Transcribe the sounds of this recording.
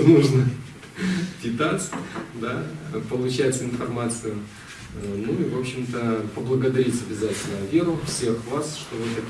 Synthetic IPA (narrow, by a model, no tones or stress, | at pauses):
nuʐnə | dʲɪt̪asd̪apəlˠʊt͡ɕæjɪt̪ʲsəɪnfɐrmat̪sɨjʊ | ənuivo̞pɕɪmt̪əpəblˠəɡəd̪ɐɾʲitʲɐbʲɪzatʲɪlʲnəvʲe̞ɾʊfsʲe̞xvasʂt̪ovɨt̪ɐkʲ